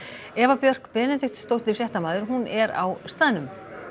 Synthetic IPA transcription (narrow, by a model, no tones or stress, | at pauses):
ɛːvapjœr̥kpɛːnɛt̪ext̪sst̪owht̪ɪsjɛht̪amaːðʏɾɦunʔɛɾa̰wst̪aːðnʏm